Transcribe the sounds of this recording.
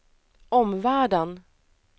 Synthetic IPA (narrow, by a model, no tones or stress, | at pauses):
ɔmvæːɖən